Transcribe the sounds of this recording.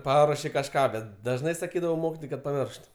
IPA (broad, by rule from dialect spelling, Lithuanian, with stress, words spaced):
ˈpɑːruɔʃʲɪ kɐʃˈkɑː ˈbʲɛt dɐʒˈnɐɪ sɐˈkʲiːdɐʋɐʊ ˈmoːkʲɪtoːjɛɪ kɐt pɐˈmʲɪrʃt